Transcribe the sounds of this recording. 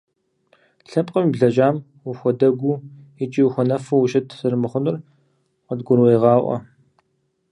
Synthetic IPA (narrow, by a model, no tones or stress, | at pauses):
ɬɐpʼqʼəmibɮɐʒʼaːm | wuxʷɔdɐɡʷu | ɪt͡ʃʼiwuxʷɔnɐfɐwuʃɐtʰzɨrmɨχʷʊnɨr | qɐdɡʷʊrwejʁɑːʔʷɔ̰